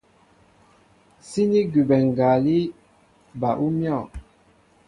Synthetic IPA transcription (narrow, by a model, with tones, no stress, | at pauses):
si˦ni˦ɡy˨bɛ˨ŋ˨ɡa˨li˦ | ba˨ʔu˦mjɔ˦˨